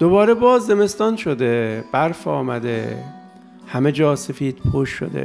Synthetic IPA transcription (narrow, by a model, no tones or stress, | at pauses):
d̪̥obɒːɾebɒːzːeme̞st̪ɒːnʃod̪eb̥æɾfɒ̰ːmæd̪ḛ | hæmed͡ʒɒːsefiːd̪̥̚pʰoʃːo̰d̪ḛ